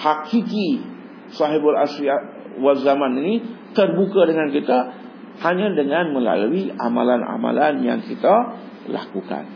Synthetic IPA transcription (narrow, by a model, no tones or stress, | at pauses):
hakiki | saɦɪbala̰sɾia | walzamaninit̪ərbukadəŋankit̪a | haɲãdəŋãnmə̃la̰luiʔama̰lana̰ma̰lanja̰ŋkit̪a | la̰kuka̰n